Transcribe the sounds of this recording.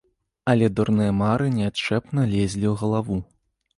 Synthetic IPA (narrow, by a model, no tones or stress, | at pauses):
ɐlʲɛd̪ɔrnɨjɐmaɾɨnʲɛatt͡ʂɛpnɐlʲɛzʲlʲiwɣɐlˠavu